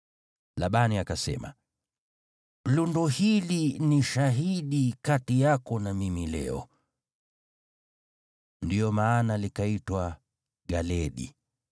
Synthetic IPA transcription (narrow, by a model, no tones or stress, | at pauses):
laɓaniakasɛ̰ma̰ | lundɔhiliniʃaɦiɗikatijakɔnamimilɛ̰ɔ̰ | ndiɔmaːnalikaitwa | ɡalɛɗḭ